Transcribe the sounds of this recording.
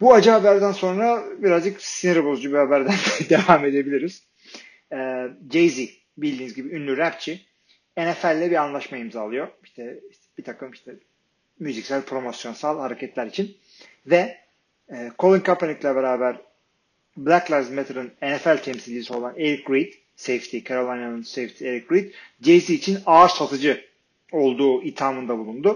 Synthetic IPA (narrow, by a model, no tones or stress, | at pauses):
buad͡ʒɯɦabæɾd̪ænso̞nɾabiɾazd͡ʒɯksiniɾabozd͡ʒubihabæɾd̪ænd̪e̞vaːme̞d̪e̞bilʲiɾiz̥ | ɛːd͡ʒejzi | bilʲd̪iːnizɟibiynlʲyɾæpt͡ʃʰi | enɛfælʲːɛbiɾanlˠaʃmaimzaaːlˠɯjo̞iʃt̪ʰɛiʃb̥it̪ʰakɯmiʃt̪ʰɛ | myzicsælʲpʰɾo̞mo̞sjo̞nsalˠhaɾe̞cʰɛt̪lʲæɾit͡ʃʰin | vɛː | kʰo̞lˠinkʰapʰenʲiklʲɛbeɾaːbæɾ | blʲˠæklˠaɾzmet̪ʰaɾɯnenɛfælʲt̪ʰɛmsilʲiso̞lˠaneɾik̚ɡɾid̪ | sejft̪ʰikʰaɾolˠajnanɯnsejft̪ʰieɾik̚ɡɾid̪d͡ʒejsiːt͡ʃʰinaɾsat̪ʰɯd͡ʒɯ | o̞lˠd̪uːit̪ʰaːmɯnd̪abulˠund̪ʊ